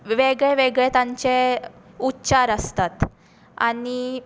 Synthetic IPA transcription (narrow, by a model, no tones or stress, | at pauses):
ʋeɡɭeʋeɡɭet̪ãɲt͡ɕe | utːɕaɾəst̪at̪ | a̰ɽi